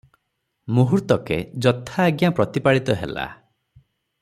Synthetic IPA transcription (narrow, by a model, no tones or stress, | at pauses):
muɦuɾt̪ɔkḛd͡ʒɔt̪ʰːaːɡjapɾɔt̪ipaɽit̪ɔɦela̰